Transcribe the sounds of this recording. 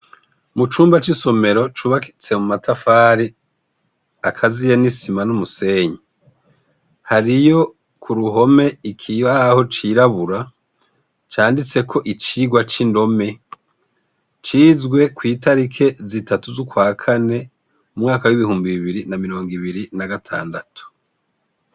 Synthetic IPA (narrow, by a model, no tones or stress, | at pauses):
mut͡ʃuːmbat͡ʃiso̞me̞ɾo̞t͡ʃuːβaki̥t͡se̞mumatafaːɾi | akʰazijenisimanumuse̞ɲi | haɾijo̞ | kʰuɾuɦo̞me̞ikʰiβaho̞t͡ʃiɾaβuɾa | t͡ʃaːndit͡se̞kʰo̞ʔit͡ʃiɡwat͡ʃindo̞me̞ | t͡ʃiːzɡwe̞kwiːtaɾikʰe̞zitʰatuzukwaːkʰane̞ | umŋaːkawiβihuːmbiβiβiɾinamiɾo̞ːŋɡiβiɾinaɡatʰa̰ːndatʰu̥